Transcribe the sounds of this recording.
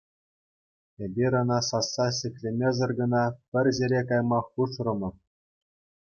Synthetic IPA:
ebʲiɾʲɤ̆nɑsɑsːɑɕʲɘ̆kʲlʲemʲezɤ̆rɡɤ̆nɑpʲɘ̆rʲzʲeɾʲekɑjmɑχpuʂrɤ̆mɤ̆

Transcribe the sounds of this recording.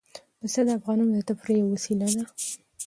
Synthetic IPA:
d̪əsad̪əafɣɑnumd̪ət̪apɾejawasilad̪a

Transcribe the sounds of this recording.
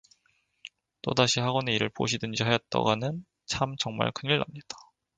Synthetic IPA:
t͈o̰daɕʰihaɡʌneiɾɯɭpo̰ɕʰidɯnd͡ʑiɦajʌt̚t͈ʌ̰ɡanɯn | t͡ɕʰamt͡ɕʌŋma̰ɭkʰɯniɭːa̰mɲid̥ḁ

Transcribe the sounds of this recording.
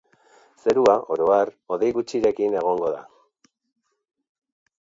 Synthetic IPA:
se̞ɾuaʔo̞ɾo̞aro̞ðe̞jɣut͡ʃiɾe̞kine̞ɣ̞o̞ŋɡo̞ða̰

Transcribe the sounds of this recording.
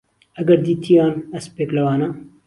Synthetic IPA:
ɐɡɐɾd̪iːt̪ʰijɑːnɐspeːklɐwɑːnɐ

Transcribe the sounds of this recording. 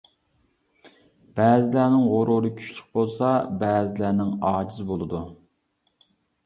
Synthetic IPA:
b̥æːzɪlæɾnɪŋʁʊɾuɾɨkʲʰy̥ʃly̥q̚bolˠsɑbæːzɪlæɾnɪŋɑːd͡ʒizbolˠɨd̪u

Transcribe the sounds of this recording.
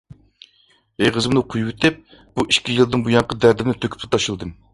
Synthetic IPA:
eʁəzɨmnɨqʰujwut̪ʰɪp̚ | b̥uʔiʃkʲijɨlˠd̪ɨŋbujɑŋqəd̪æɾd̪ɪnɪt̪ʰøkʲʰy̥pt̪ʰt̪ʰɑʃɨlˠd̪ɨm

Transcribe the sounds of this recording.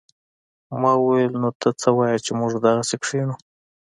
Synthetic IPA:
mɑwwelnot̪ʰat͡səwajat͡ʃemʊʐd̪aɣasekʂiɳu

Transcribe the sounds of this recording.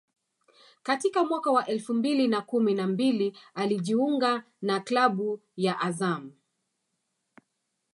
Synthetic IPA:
katikamwakawaʔɛlfumbilinakuminambilialiʄiuŋɡa | naklaɓujaʔazam̩

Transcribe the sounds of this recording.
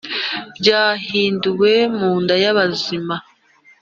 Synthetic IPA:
bɟaːɦiːnduwe̞muːndajaβazima

